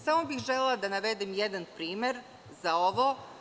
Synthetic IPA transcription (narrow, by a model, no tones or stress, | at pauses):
samobixʒelelad̪anaʋed̪emjed̪anpɾiːme̞ɾ | zaoʋo